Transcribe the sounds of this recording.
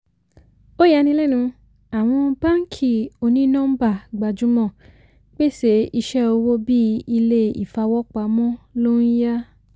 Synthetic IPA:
o˦ja˧˦nĩ˧˦lɛ˦˨nũ˧ | a˨w̃ɔ̃˧ba˦ŋ̩˦kʰi˨o˧nĩ˦nɔ̃˦ba˦˨ɡ͡ba˨d͡ʒũ˨˦mɔ̃˦˨ | k͡pe˦se˨˧˦i˧ʃɛ˦o˧wo˦bi˦i˧le˦ḭ˦˨fa˧wɔ˦k͡pa˧mɔ̃˦lo˦i˦ja˦

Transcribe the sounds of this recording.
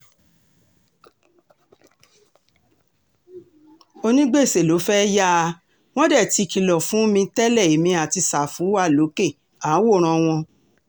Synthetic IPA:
o˧nĩ˦ɡ͡be˦˨se˨lo˨˦fɛ˦ja˦˧ | w̃ɔ̃˦dɛ˦˨ti˧ki˧lɔ˨fũ˨˦mĩ˧tɛ˦lɛ˦˨i˨mĩ˧a˨ti˧sa˨fũ˨˦a˦˨lo˨˦ke˦˨ | a˨˦wo˦˨ɾ̃ɔ̃˧w̃ɔ̃˧

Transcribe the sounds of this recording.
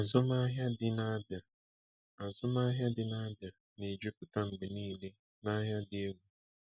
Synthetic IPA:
a˨zʊ˦ma˦ɦja˦dɪ˦na˦bja˨ | a˨zʊ˦ma˦ɦja˦dɪ˦na˦bja˨ | ne˨d͡ʒu˦kʊ˨ta˦ŋ͡m̩˨ɡ͡be˨niː˦le˦ | na˦ɦja˦dɪ˨e˦ɡʷu˨˦

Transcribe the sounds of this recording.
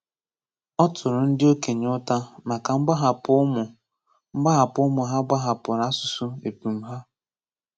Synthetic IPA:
ɔ˦tʰʊ˨ɾʊ˨n̩˦dɪ˦o˦ke˨ɲ˦ʊ˦ta˦ma˨ka˨ŋ͡m̩˦ɡ͡ba˦ɦa˨pʊ˦mʊ˨˦ | ɡ͡ba˦ɦa˨pʊ˦mʊ˨ɦa˦ɡ͡ba˦ɦa˨pʊ˨ɾa˦sʊ̥˨su˦e˨pu˨m̩˦ɦa˦

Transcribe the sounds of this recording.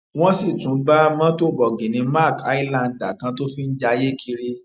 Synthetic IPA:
w̃ɔ̃˦si˦˨tũ˨˦ɡ͡ba˦mã˦to˦˨bɔ˨ɡĩ˨nĩ˨˧ma˦˨ka˦i˦lã˦˨n˨da˨kã˧to˦fi˦n̩˦d͡ʒa˧je˦ki˧ɾi˧

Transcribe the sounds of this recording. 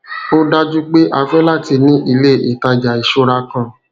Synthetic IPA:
o˦da˧d͡ʒu˦ɡ͡be˦ʔa˧fɛ˦la˦˨ti˧nĩ˦ʔi˧le˦˨ʔi˨ta˧d͡ʒa˨i˨ʃo˦ɾa˧kã˦˨

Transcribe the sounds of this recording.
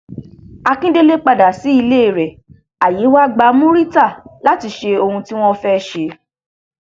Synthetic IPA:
a˧kĩ˦de˦le˦k͡pa˧da˨si˨˦i˧le˦˨ɾɛ˨ | a˨ji˨˦wa˦ɡ͡ba˧˦mũ˦ɾi˦ta˦˨la˨˦ti˧ʃe˧o˧hũ˧ti˦w̃ɔ̃˦fɛ˦ʃe˧

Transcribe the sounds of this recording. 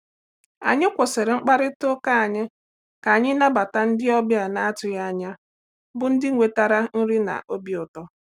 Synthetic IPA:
a̰˨ɲɪ˦kʷʊ˨se˨ɾe˨ŋ͡m̩˦k͡pa˦ɾɪ˦tʊ˦ka˦a˨ɲɪ˦ | ka˨a˨ɲɪ˦na˦ba˨ta˦n̩˦dɪ˦ɔ˦bja˨na˨a˦tʊ˨ja˦a˦˨ɲa˦ | bʊ˦n̩˦dɪ˦ŋʷe˨ta˦ɾa˦n̩˦ɾɪ˦na̰˨ʔo˦bi˦ʊ˨tɔ˦

